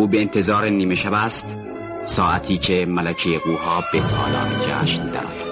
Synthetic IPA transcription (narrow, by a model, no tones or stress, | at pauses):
uːbeːnt̪ʰe̞zɒːɾeniːmeʃæbæst̪ | sɒːʔæt̪ʰiːcʰemælæcʰejeɡuːɦɒːbet̪ʰɒ̰ːlɒ̰ːɾed͡ʒæ̰ːʃnd̪æ̰ɾɒ̰ːjæ̥